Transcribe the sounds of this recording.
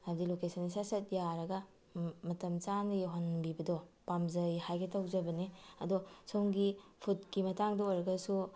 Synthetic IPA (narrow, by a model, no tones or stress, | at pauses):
abdilokesɐnisasɐt̚jaɾɐɡɐ | mɐtɐmt͡ʃanjɦonbibɐdɔpamzɐjhajɡetɐwzɐbɐniɐdosoŋɡipʰut̚kimɐtaŋdɐojɾɐɡɐsu